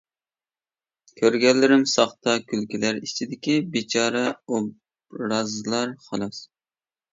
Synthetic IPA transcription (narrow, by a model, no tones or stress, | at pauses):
kʲʰøɾɡʲɛlːɪɾɪmsɑχt̪ɑkʲʰylkʲilæɾit͡ʃʰid̪ɪkʲibit͡ʃʰɑːɾɛob | ɾɑzɨlˠɑɾχɑlˠɑs